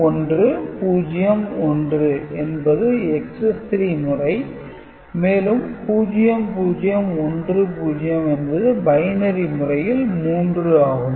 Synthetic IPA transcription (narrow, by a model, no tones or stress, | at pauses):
ɔndrɯpuːd͡ʒɪjɐmɔndrɯʔɛnbɐðɯɛksɛst̪ɾimɯrɐɪ | meːlɯmpuːd͡ʒɪjɐmpuːd͡ʒɪjɐmɔndrɯpuːd͡ʒɪjɐmɛnbɐðɯbɐjnɐɾimʊrɐjɪlmuːndrɯaːɣɯm